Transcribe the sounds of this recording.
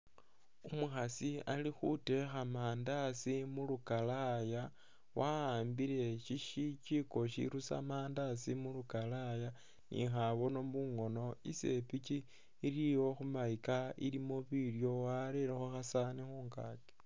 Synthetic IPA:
umuxasialixute̞xamaːndasimulukalaja | wʔaaːmbiɾe̞ʃiʃit͡ʃiko̞ʃḭɾusa̰maːndasimulukalaja | nḭxaβo̞no̞βuŋo̞no̞ḭse̞pit͡ʃiː | ɾiwo̞xumaikaḭlimoβirjo̞waɾeɾexoxasanixuːŋka̰ːke̥

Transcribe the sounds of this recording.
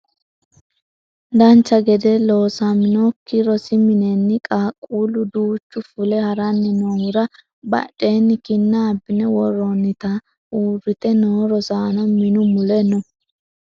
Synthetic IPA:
d̪ɐnt͡ʃːɐɡɛd̪ɛloːsamɪnɔkːɪɾɔsɪmɪnɛnːɪkʼaːkʼːuːlʊd̪uːt͡ʃːʊfʊlɛhɐɾɐnːɪnoːwʊɾɐ | bɐ̰ᶑʼːe̞ːnːɪkɪnːɐːbːɪnɛwɔɾɔnːɪt̪ɐ | uːrːɪt̪ɛnoːɾɔsaːnɔmɪnʊmʊlɛnʊ

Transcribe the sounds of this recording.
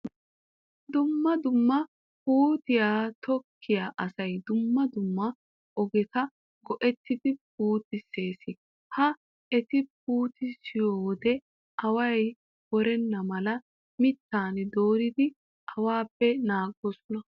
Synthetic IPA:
d̪ʊmːɐd̪ʊmːɐ | puːt̪ɪjaːt̪ɔkʰːɪjaːʔɐsɐjd̪ʊmːɐd̪ʊmːɐ | ɔɡɛt̪ɐ | ɡɔʔɛt̪ːɪd̪ɪp̚uːt̪ɪse̞ːsɪ | hɐ | ɛt̪ɪp̚uːt̪ɪsɪjoɔd̪ɛ | ɐwɐj | wɔɾɛnːɐmɐlɐ | mɪt̪ːaːnd̪o̞ːɾɪd̪ɪ | ʔɐwaːpːɛnaːɡːɔsɔnɐ

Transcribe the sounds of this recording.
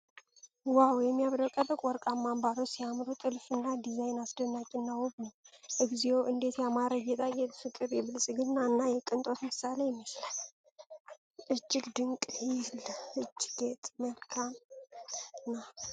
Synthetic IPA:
wawjɛmːijaβɾəwkʼəbɨkʼwɔɾkʼamːambaɾosijamɾut̪ʼɨlfɨnːad̪izajnasd̪ənːakʼɪnːawɔbnəwʔɨɡzioʔɨnd̪e̞t̪jamaɾəjɛt̪ʼajɛt̪fɨkʼːɨɾjɛβɨlsʼɨɡɨnːanːajɛkʼɨnt̪ʼo̞t̪mɨsalejɛmːisla | ʔɨd͡ʒːɪɡd̪ɨŋkʼhilɨd͡ʒːɡet̪ʼməlkʰan | nːa

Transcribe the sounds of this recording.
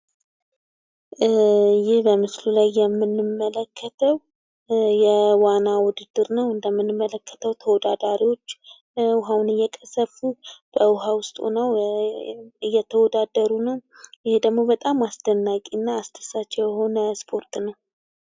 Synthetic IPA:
jɪhbəmɨslulajːɛmːɨnːɨmːələkʰːət̪ʰəw | jɛwanːawʊd̪ɨd̪ːɨɾnəwɨnd̪əmːɨnːɨmːələkʰːə̥t̪ʰəwt̪ʰəwɔd̪ad̪aɾiwo̞t͡ʃː | ʊɦawnɨjːɛkʼəsəfub̥əʊɦawʊst̪ʼṵnəw | ɨjːɛt̪ʰəwɔd̪ad̪əɾunəwjɪhed̪əɡmo̞bət̪ʼamasd̪ənːakʼiɨnːaːst̪ʰə̥sat͡ʃːɛjjɛho̞nəspʰo̞ɾt̪ʰnəw

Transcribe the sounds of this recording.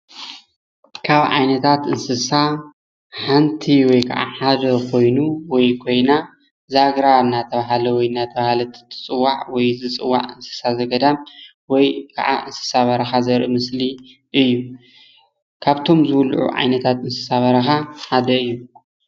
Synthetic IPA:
kʰaβʕa̰jnɐt̪ʰat̪ɨnsɨsa | ħant̪ʰiwɔjkʰɐʔa̰ħad̪ɐkʰo̞jnuwɔjkʰo̞jna | zaɡɾanːat̪ʰɐβaɦalɐwɔjɨnːat̪ʰɐβahalɐt̪ʰɨ̥t̪ʰɨ̥t͡sʼɨwːaʕwɔjzɨt͡sʼɨwːa̰ʕɨnsɨ̥sazɐɡɐd̪am | wɔjkʰɐ̰ʕa̰ʔɨnsɨ̥saβɐɾɐxazɐɾʔimɨsli | ʔɨjːu | kʰaβt̪ʰo̞mzɨwlʔṵʕa̰jnɐt̪ʰat̪ɨnsɨ̥saβɐɾɐxaħad̪ɐɨjːu

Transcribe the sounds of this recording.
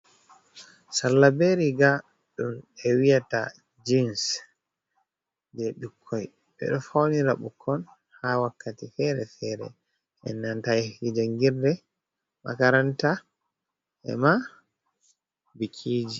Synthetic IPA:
sallabeɾiɡa | ɗumɛwijata̰ | d͡ʒins | d͡ʒɛɗukʰːɔj | ɓɛ̰ɗɔfawniɾaɓukʰːɔn | hawakːatifɛɾɛfɛɾɛ̰ | ʔɛ̰nːantajid͡ʒaŋɡiɾdɛ | ma̰kaɾanta | ʔɛ̰ma | bikʰiːd͡ʒi

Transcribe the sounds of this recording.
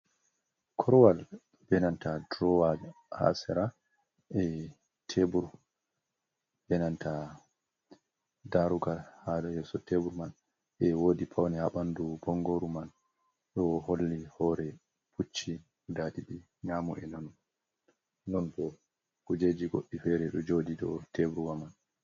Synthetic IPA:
kʰɔɾwal | bɛnantʰadɾɔwad | ha̰sɛɾa | ʔɛ | tʰebuɾ | bɛnantʰa | daɾuɡalhadɔjɛsɔtebuɾman | ʔɛwoːdipʰawnɛhaɓandubɔŋɡoɾuman | ɗɔholːihɔɾɛ | pʰut͡ʃːi | datiɗi | ɲamɔ̰ʔɛnɔn | nɔndɔ | kud͡ʒed͡ʒiɡoɗːifɛɾɛɗɔd͡ʒoːdiɗɔ̰tʰebɾuwaman

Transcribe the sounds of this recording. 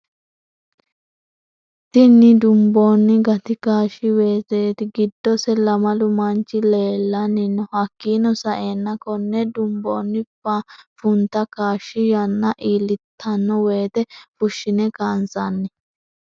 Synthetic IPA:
t̪ɪnːɪd̪ʊmbo̞ːnːɪɡɐt̪ɪkaːʃːɪwe̞ːt̪eːt̪ɪɡɪd̪ːɔsɛlɐmɐlʊmɐnt͡ʃːɪleːlːɐnːɪnːɔhɐkːiːnɔsɐʔe̞ːnːɐkɔnːɛd̪ʊmboːnːɪbafʊnt̪ɐkaːʃːɪjɐnːɐʔiːlɪt̪ʰːɐnːɔwe̞ːt̪ɛfʊʃːɪnɛkaːnsanːɪ

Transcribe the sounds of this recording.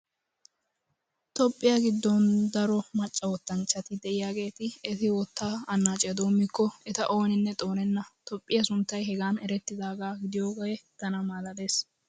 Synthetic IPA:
t̪ɔpʼːɪjaɡɪd̪ːɔnd̪ɐɾɔmɐt͡ʃʼːɐwɔt̪ːɐnt͡ʃːɐt̪ɪd̪ɛʔɪjaːɡe̞ːt̪ɪɛt̪ɪwɔt̪ːaːɐnːaːt͡ʃʼɪjɐd̪o̞ːmːɪkːɔɛt̪ɐʔo̞ːnɪnːɛt̪ʼo̞ːnɛnːɐt̪ɔpʼːɪjɐsʊnt̪ːɐjɦɛɡaːnɛɾɛt̪ːɪd̪aːɡaːɡɪd̪ɪjoːɡɔjɛt̪ːɐnɐmaːlɐd̪e̞ːs

